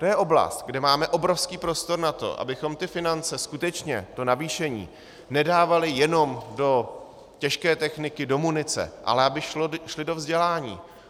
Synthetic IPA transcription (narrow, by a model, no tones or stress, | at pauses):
t̪o̞jɛʔo̞bla̰st̪ɡdɛmaːmɛʔo̞bɾo̞fskiːpɾo̞st̪o̞ɾnat̪o̰ʔa̰bɪxo̞mt̪ɪfɪnant͡sɛskut̪ɛt͡ʃɲɛ̰t̪o̞naviːʃɛɲḭː | nɛdaːvalɪjɛno̞mdo̞ | cɛʃkɛːt̪ɛxnɪkɪdo̞munɪt͡sɛ̰ʔa̰lɛabɪʃloʃlɪdo̞vzɟɛlaːɲḭː